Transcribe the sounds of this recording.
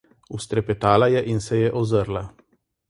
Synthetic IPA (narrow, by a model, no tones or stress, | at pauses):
ust̪ɾɛpɛt̪aːlajɛʔinsɛjɛʔɔzəɾla